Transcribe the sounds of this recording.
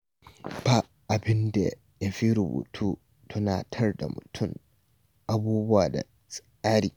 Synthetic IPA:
b̥a˨ | ʔa˨bɪ˦ndɛ˨ | ja˨fi˦ɾu˨bṵ˨tʰuː˦ | tʰɔ˦naː˨tʰɐ˦ɾda̰˨mʊ̰˨tʰʊ˦ŋ | ʔa˨buː˦bʊ˦waː˨da̰˨ | sʼ | aː˦ɾiː˨

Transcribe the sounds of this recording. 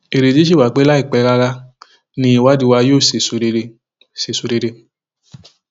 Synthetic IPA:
e˨ɾe˨d͡ʒi˨˦ʃ̬i˦˨wa˨k͡pe˨˦la˦i˦˨k͡pɛ˧la˧la˧˦ | nĩ˧˦i˦˨wa˨˦di˧wa˧joː˦˨se˨su˨˧e˧e˧ | se˨su˨˧de˧de˧

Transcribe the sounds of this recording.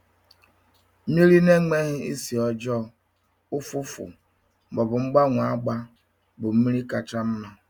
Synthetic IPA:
mi˦ɾi˦ne˦ŋe˦ɦɪ˦i˦si˨ɔ˨d͡ʒɔ˦˨ | ʊ˦fʊ˦fʊ̰˨ | ɡ͡bɔ˨bʊ˨ŋ͡m̩˦ɡ͡ba˦ŋʷ˨a˦ɡ͡ba˦ | bʊ˨m̩˦mi˦ɾi˦ka˨t͡ʃa˦m̩˦nɔ˦

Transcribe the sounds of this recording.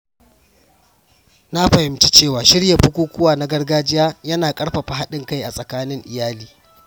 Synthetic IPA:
na˦ɸɐ˨hɪ˦mt͡ʃi˦t͡ʃeː˦˨waː˨ʃɪ˦ɽja˨ɸʊ˦kʷuː˦kʷʊ˦waː˨na˦ɡɐ˦rɡaː˦d͡ʒɪ˦jaː˦jɐ˦naː˨kʼɐ˦ɽɸa˨ɸa˨ɦa˦ɗɪ˦ŋka˦jʔa˨sʼɐ˨kaː˦nɪ˦ŋʔɪ˨jaː˦liː˦

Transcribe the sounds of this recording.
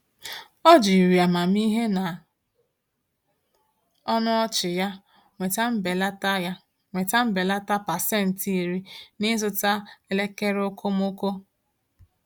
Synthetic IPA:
ɔ˦d͡ʒi˨ɾi˨a˨ma˨mi˦ɦe˦na˨ | ɔ˦nʊ˦ɔ˦t͡ʃɪ˨ja˦ | ŋe˨ta˦m̩˦be˨la˦ta˦a˦ | ŋʷe˨ta˦m̩˦be˨la˦ta˦pa˨se˦˨n̩˨ti˦˨ɾi˦nɪ˦zʊ˦ta˦le˦ke˦ɾʊ˦kʰo˦m˦ʊ˦ko˦

